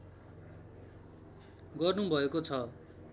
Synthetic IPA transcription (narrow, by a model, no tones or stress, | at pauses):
ɡʌrnubʱʌekot͡sʰʌ